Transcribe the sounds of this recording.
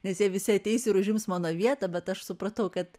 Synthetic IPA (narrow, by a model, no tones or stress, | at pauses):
nʲɛsjiɛʋʲɪsʲɪɐt̪ʲɛɪsʲɪɾʊʒʲɪmsmɑːnoːʋʲiɛt̪ɐbʲɛt̪ɐʃsʊpɾɐt̪ɐʊkɐt̪